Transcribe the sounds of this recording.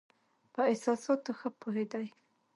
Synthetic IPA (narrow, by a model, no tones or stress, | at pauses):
pəɪsɑsɑt̪ːoxəpoɦed̪aj